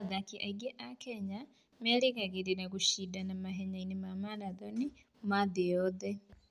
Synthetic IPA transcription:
ðakiʔa̰iɡɛʔakɛɲa | mɛliɣaɣiɾinaɣuʃidanamaɦɛɲainimamanaðɔni | maðijɔðɛ

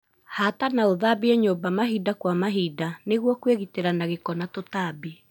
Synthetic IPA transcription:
hatanaoðabiɛɲobamaɦidakwamaɦidaneɣwɔkweɣiteɾanaɣekɔnatotabi

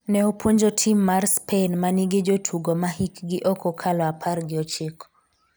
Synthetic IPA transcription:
nɛopwoɲd͡ʒotʰimːarspʰenmaniɡed͡ʒotʰuɡomahikɡɪʔɔkɔkʰalɔapʰarɡɪɔt͡ʃɪkɔ

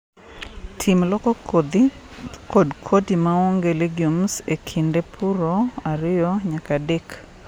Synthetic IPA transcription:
tʰimlɔkɔ | kodkʰotimaɔŋɡeleɡjumsekʰindepʰuɾoaɾɪjɔɲakadek

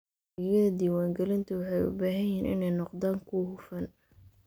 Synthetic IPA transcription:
ɛjɐðɐd̪iːwaːŋɡɛlɪnt̪ʰʊwɑħɑjʊ̰baːɦɐjɛːnʔɪ̰nɛjnɔqd̪aːŋkʰʊhʊfɐn

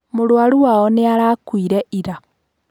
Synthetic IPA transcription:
moɾwaɾuwaɔneaɾakwiɾɛʔiɾa

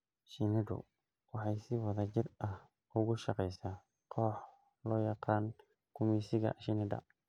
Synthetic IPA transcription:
ʃɪnɪdʊ̰ | wɑħɑjsɪwɑðɐt͡ʃɪrɐh | ʔʊɣʊʃɑqɛjsaː | qʰɔːħ | lɔːjɑqɑːn | kʰʊmiːsɪɣɐ̰ʃɪnɪdɐ̰

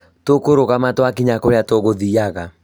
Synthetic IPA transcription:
tokoɾoɣamatwakiɲakoɾeatoɣoðiaɣa

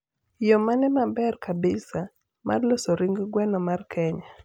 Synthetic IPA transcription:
jɔmanɛmabɛrkʰabɪsa | mʔa̰rlosoɾɪŋɡɡwɛnɔmarkʰɛɲa

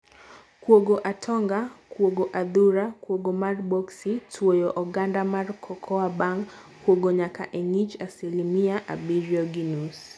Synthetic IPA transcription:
kwoɡoʔatʰɔŋɡakwoɡɔʔad̪uɾakwoɡomarbɔksitʰwojɔʔɔɡandamarkʰɔkʰɔabaŋ | kːwoɡoɲaka̰ʔɛnit͡ʃasilimiaʔa̰biɾiɔɡinus

